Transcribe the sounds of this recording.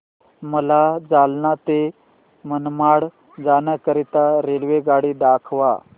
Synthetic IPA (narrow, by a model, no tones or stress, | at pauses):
məlad͡zalnat̪e | mənmaɽ | d͡zanəkəɾit̪aɾelʋeɡaɽiːɖ̪akʰʋa̰